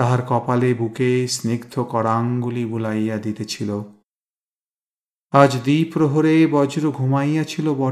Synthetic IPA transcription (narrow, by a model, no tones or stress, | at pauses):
t̪aɦaɾkɔpalebukesniɡt̪ʰokɔɾaŋɡulibulajːad̪it̪et͡ɕʰilo | ad͡ʑd̪ipɾoɦoɾebɔd͡ʑɾoɡʱumajjat͡ɕʰilobɔ